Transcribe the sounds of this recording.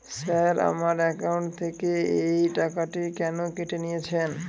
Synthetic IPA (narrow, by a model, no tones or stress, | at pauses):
saɾa̰maɾɛkawɳʈt̪ʰekeejʈakaʈikɛnokeʈenijet͡ɕʰen